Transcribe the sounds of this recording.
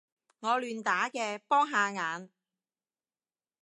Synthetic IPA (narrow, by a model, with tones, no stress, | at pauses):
ŋɔː˨˧lyː˨nt̪aː˨˥kɛː˧pɔː˥ŋɦaː˧ŋaː˨˧n